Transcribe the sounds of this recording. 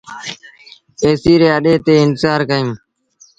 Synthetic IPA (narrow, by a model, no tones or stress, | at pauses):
eːsiːɾeːəɗeːt̪eːɪnzaːɾkəĩː